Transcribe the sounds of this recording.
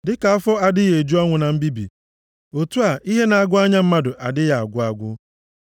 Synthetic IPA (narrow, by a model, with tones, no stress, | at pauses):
dɪ˦ka˨a˦fɔ˦a˨dɪ˦je˨e˨d͡ʒu˦ɔ˦ŋʷʊ˨na˨m̩˦bi˦bḭ˨ | o˨tu˦a˨ʔi˦ɦe˦na˨a˨ɡʷʊ˦a˦ɲa˦m̩˦ma˦dʊ˨ʔa˨dɪ˦ja˨a˨ɡʷʊ˦a˨ɡʷʊ˦